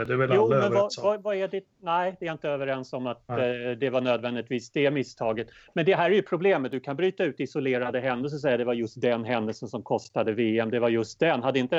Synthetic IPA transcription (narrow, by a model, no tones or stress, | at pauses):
d̪ɛvɛljuːmɛnvvavaɛɖɪt̪̚næɪd̪ɛːjaɪnt̪əøːvəɾɛnsɔmːat̪d̪ɛvaɳøːd̪vɛnd̪ɪɡ̚t̪viːsd̪ɛmɪst̪ʰɑːɡət̪mɛnd̪ɛɦæːɾæɾjɵpʰɾʊbleːmət̪̚d̪ɵkʰanbɾyːt̪aʉ̟ːt̪ɪsʊleːɾad̪əɦɛnd̪əls̬ɔs̬ɛjːad̪ɛvaɾjɵst̪̚d̪ɛnɦɛnd̪əlsənsɔmkʰɔst̪ad̪əveːɛmd̪ɛvaɾjɵst̪̚d̪ɛnːɦad̪ːəɪnt̪ə